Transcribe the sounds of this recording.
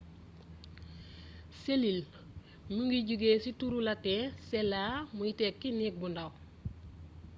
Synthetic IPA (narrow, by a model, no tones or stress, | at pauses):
selil | muŋɡiɟuɡeːsituɾulateselaːmujitekːinik̚bundaw